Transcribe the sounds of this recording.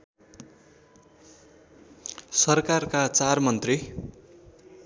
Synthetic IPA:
sʌrkarkat͡sarmʌnt̪ri

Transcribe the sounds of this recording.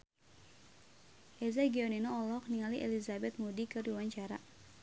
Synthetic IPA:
ʔɛzaɡiɔninɔːlɔk̚niŋaliʔɛlizabɛt̪̚mudikɨrdiwaɲt͡ʃaɾa

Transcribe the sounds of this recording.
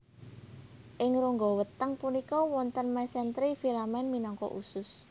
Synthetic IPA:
ʔɪŋɾuŋɡɔwət̪əŋpunikɔwɔnt̪ənmɛsɛnt̪ɾifilamɛnminɔŋkɔ̰ʔṵsʊs

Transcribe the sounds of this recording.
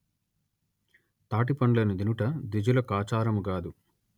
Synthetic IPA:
t̪aːʈ̬ipɐɳlɐnid̪inuʈɐd̪id͡ʒulɐkaːt͡ʃaːɾɐmuɡaːd̪u

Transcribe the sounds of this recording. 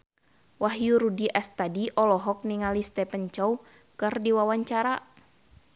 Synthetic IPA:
waɦjuɾudiʔast̪adiʔɔlɔɦɔk̚niŋalist̪ɛpənt͡ʃɔw | kɨrdiwawaɲt͡ʃaɾa

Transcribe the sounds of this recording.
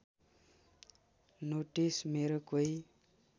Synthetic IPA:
noʈismeɾokoj

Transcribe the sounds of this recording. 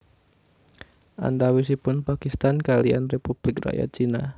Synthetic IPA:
ʔa̰ndawis̬ipʊnpakist̪ankalia̰nrepub̥lɪkra̰ja̰t͡ʃina

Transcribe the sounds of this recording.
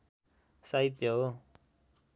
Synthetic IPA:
sait̪joɦo

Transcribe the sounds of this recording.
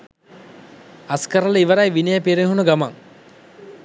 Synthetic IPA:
askəɾələiʋəɾajʋinejəpiɾeɦunəɡama̰ŋ

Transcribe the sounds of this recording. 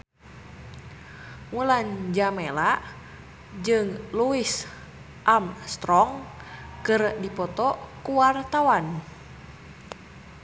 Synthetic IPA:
ŋuland͡ʒamelaʔ | d͡ʒɨŋluis | ʔamst̪ɾɔŋkɨrdipɔt̪ɔkuwart̪awan

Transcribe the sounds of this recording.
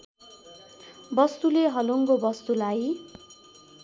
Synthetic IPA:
bʌst̪uleɦʌluŋkobʌst̪ulaj

